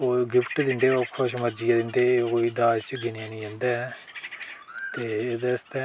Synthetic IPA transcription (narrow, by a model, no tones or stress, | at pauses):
oːɡɪpʈd̪ɪnd̪eːokʰːoʃəməd͡ʒijad̪ɪnd̪eːkoːiːd̪aːd͡ʒt͡ʃɡɪnijaːnĩːɛ̃ːnd̪aː | t̪eːed̪est̪e